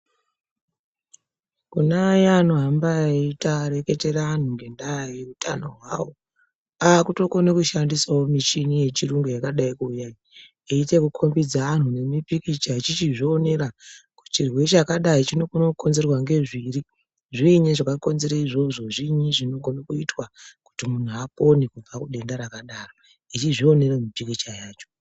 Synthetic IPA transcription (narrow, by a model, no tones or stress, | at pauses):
kunajanoɦambaaitaɾe̞ke̞te̞ɾaːn̤uŋɡe̞ndajajeutʰano̞̰ɦwawo̞ | akuto̞ko̞nekuʃandiswaomit͡ʃinije̞t͡ʃiruŋɡujakaɗaikuːjai | eite̞kukʰo̞mbid͡zaːn̤une̞mipikit͡ʃat͡ʃit͡ʃiʐoːne̞ɾaku̥t͡ʃirwe̞t͡ʃakaɗait͡ʃino̞konoko̞nze̞rwaŋɡe̞ʐiri | ʐiɲeʐakako̞nze̞ɾaiʐo̞ʐo̞ʐiɲiʐino̞ɡʱo̞nakuitwaku̥timun̤uapo̞nekub͡vakuɗe̞ndaɾakaɗaːro | it͡ʃiʐio̞ne̞remipikit͡ʃajaːt͡ʃo̥